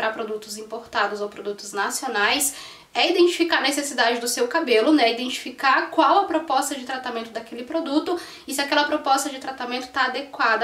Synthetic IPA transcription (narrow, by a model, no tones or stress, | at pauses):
pɾɐpɾod̪ut̪ʊzĩpoɾt̪ad̪ʊzowpɾod̪ut̪ʊznasionajs | ɛid̪ẽnt͡ʃi̥fikaɾɐnesesid̪ad͡ʒɪd̪ʊsewkabelʊnɛid̪ẽnt͡ʃi̥fikaɾkwawɐpɾopɔst̪ɐd͡ʒɪt̪ɾat̪amẽnt̪ʊd̪akelɪpɾod̪ut̪ʊ | ɪsɪakɛlɐpɾopɔst̪ɐd͡ʒɪt̪ɾat̪amẽnt̪ʊ̥t̪aːd̪ekwad̪ɐ